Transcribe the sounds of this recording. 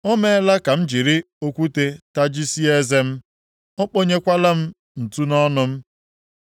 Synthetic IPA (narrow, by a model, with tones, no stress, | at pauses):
o˦me˦la˦ka˨m̩˦d͡ʒi˨ɾi˦ | o˦kʷu˦te˦ta˦d͡ʒi˦si˦e˦ze˦m̩˦ | ɔ˦k͡po˦ɲe˦kʷa˦la˦m̩˦ | n̩˨tu˦nɔ˦nʊ˦m̩˦